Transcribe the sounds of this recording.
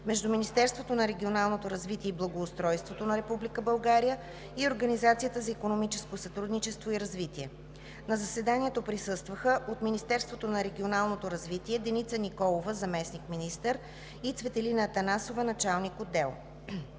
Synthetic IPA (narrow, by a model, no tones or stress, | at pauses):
mɛʒd̪uminist̪ɛɾst̪vot̪onɐɾɛɡʲionalˠnot̪oɾɐzvit̪iɛiblˠɐɡoːst̪ɾɔjst̪vot̪onɐɾɛpublikəbɐlˠɡaɾijə | ioɾɡənizat̪sijət̪əzɐikonomit͡ʃɛskosɐt̪ɾud̪nit͡ʃɛst̪voiɾɐzvit̪iɛ | nɐzɐsɛd̪anʲiɛt̪opɾisɤst̪vəxəʔot̪minist̪ɛɾst̪vot̪onɐɾɛɡʲionalˠnot̪oɾɐzvit̪iɛd̪ɛnit̪sənikɔlˠovəzɐmɛsnikminist̪əɾ | it̪svɛt̪ɛlinəːt̪ɐnasovənɐt͡ʃalˠnikod̪ːɛlˠ